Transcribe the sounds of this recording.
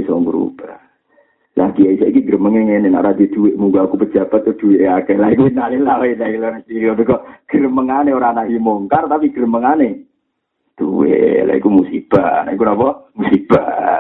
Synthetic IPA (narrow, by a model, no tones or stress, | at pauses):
isɔŋɡuɾṵba | laɡiaisaikiɡɾəməŋeŋenena̰ʔɾaded̪̥uweʔmuɡaːkupəd̥d͡ʒ̥a̤b̥at̪̚kɔd̪̥uweʔakɛlaikuinalilaoenailanasiɾiɔt̪ukɔʔɡ̥əɾəməŋaneoɾaːnaʔimoŋkart̪apiɡ̥əɾəməŋane | d̪̥uwḛla̰ḭkumusib̥anaik̬unapɔmusib̥a̰